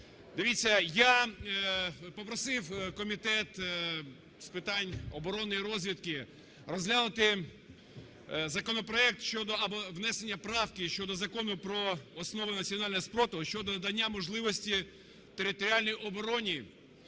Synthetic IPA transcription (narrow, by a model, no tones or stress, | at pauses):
d̪ɪʋʲit͡sʲːɐja | pɔpɾɔsɪwkɔmʲit̪ɛt̪ | spɪt̪ɑnʲɔbɔɾɔnɪiɾɔzʲʋʲid̪kɪ | rɔzʲlʲanʊt̪ɪ | zɐkɔnɔpɾɔɛk̚t̪ʃʲt͡ʃɔd̪ɔɐbɔʋnɛsenʲːɐpɾɑwkɪʃt͡ʃɔd̪ɔzɐkɔnʊpɾɔɔsnɔʋʊnɐt͡sʲiɔnɑlʲnɦɔspɾɔt̪ʊʃt͡ʃɔd̪ɔd̪ɐnʲːamɔʒlˠɪʋɔsʲtʲi | t̪eɾɪt̪ɔɾʲialʲnɔjʔɔbɔɾɔnʲi